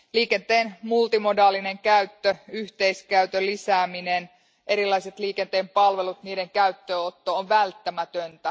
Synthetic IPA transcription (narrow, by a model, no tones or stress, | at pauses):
liːkent̪eːnmult̪imo̞dɑːline̞ŋkæyt̪ːøyht̪e̞jskæyt̪ølːisæːminen | ʔe̞ɾilɑjset̪liːkent̪eːmpɑlʋe̞lut̪niːde̞ŋkæyt̪ːøːot̪ːoːʋʋælt̪ːæmæt̪ønt̪æ